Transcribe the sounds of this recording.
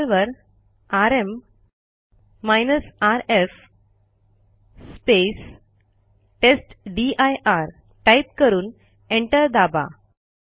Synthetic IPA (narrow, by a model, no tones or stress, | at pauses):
lʋəɾ | aɾem | ajnəsaɾef | spes | ʈesʈɖiajʔaɾ | ʈajp̚kəɾuːn | eɳʈəɾd̪aba̰